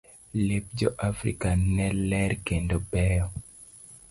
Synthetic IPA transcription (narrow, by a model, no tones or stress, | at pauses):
lep̚d͡ʒɔʔafɾḭkanɛlɛɾkendɔbɛjɔ